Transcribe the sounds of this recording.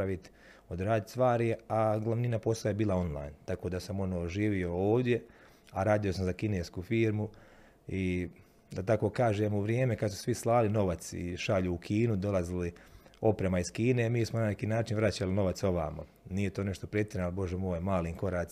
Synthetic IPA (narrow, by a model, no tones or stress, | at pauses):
aʋit̪ | od̪ɾaːd̪it̪st̪ʋaːɾiaɡlˠaʋninapo̞saajebiːlˠao̞nlˠa̰ːjnt̪ako̞ːd̪asamo̞noːʒiːʋio̞oːʋd̪je̞ | aɾaːd̪io̞samzakineːskufiːɾmu | i | d̪at̪ako̞ːkaːʒeːmuʋɾjeːmekad̪su̥sʋislˠaːlino̞ʋat̪sḭʃaʎuːkʰiːnud̪o̞lˠazilio̞pɾemaiskiːne̞miːsmonane̞kiːnaːt͡ʃinʋɾat͡ɕalino̞ʋat̪so̞ʋa̰ːma̰ | nije̞t̪oːne̞ʃt̪o̞pɾet̪jeɾnalibo̞ʒemoːjmaːliːŋko̞ɾaːs